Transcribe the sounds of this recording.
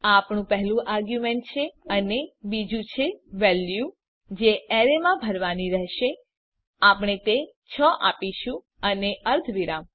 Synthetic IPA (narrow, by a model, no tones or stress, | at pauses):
aːpɳũpəɦɛlũʔaɾɡjumeɳʈ̚t͡ʃʰeənebid͡ʒũt͡ʃʰeʋɛlju | d͡ʒeɛɾemãbʱəɾʋaniɾɛɦʃe | apɳ̃et̪e | t͡ʃʰɔʔa̰piʃũ | əneəɾt̪ʰʋiɾam